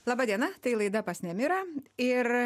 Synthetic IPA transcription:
lˠɑːbɑːd̪ʲiɛnɐt̪ɐɪlˠɐɪd̪ɐpɐsʲnʲɛmʲɪɾɐɪr

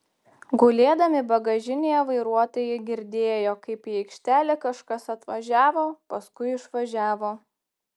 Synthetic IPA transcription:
ɡʊlʲeːd̪ɐmʲɪbɐɡɐʒʲɪnʲejɛʋɐɪɾuɔt̪oːjɛɡʲɪɾʲd̪ʲeːjoːkɐɪpiɛɪkʃʲt̪ʲæːlʲɛkɐʃkɐsɐt̪ʋɐʒʲæːʋoːpɐskʊɪɪʃʋɐʒʲæːʋoː

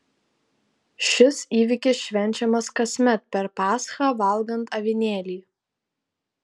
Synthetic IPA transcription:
ʃʲɪsiːʋʲɪkʲɪsʃʲʋʲɛnʲt͡ʃʲɛmɐskɐsʲmʲɛt̪̚pʲɛɾpɑːsxɑːʋɐlˠˑɡɐnt̪ɐʋʲɪnʲeːlʲiː

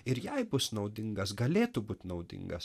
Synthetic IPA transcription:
ɪɾjɛɪbʊsnɒʊd̪ʲɪŋɡɐsɡɐlʲeːt̪ʊbuːt̪nɒʊd̪ʲɪ̰ŋɡɐs

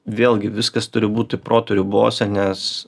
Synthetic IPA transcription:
ʋʲeːlʲˠɡʲɪʋʲɪskɐst̪ʊɾʲɪbuːt̪ʲɪpɾoːt̪ʊɾʲubo̰ːsʲɛnʲɛs

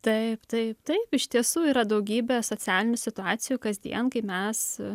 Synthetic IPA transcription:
t̪ɐɪpt̪ɐɪpt̪ɐɪpɪʃʲt̪ʲiɛsuːiːɾɐd̪ɐʊɡʲiːbʲɛsoːt͡ssʲæːlʲɪnʲʊsʲɪt̪ʊɑːsʲɪjuːkɐzʲd̪ʲḭɛnkɐɪmʲɛs

